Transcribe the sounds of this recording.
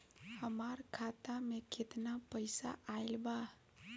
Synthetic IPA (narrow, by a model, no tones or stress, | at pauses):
həmaɾkʰat̪amekʰet̪napəɪsa̰ʔaɪlba